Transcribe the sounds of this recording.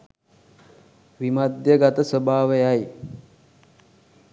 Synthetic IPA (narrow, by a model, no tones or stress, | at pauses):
ʋimad̪jəɡat̪əsəbʱaːʋəjaj